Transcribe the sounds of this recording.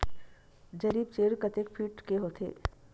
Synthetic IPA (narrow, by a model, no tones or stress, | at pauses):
d͡ʒɐɾiːbt͡ʃeːɾkɐt̪ekfʰiːʈkeɦot̪ʰḛː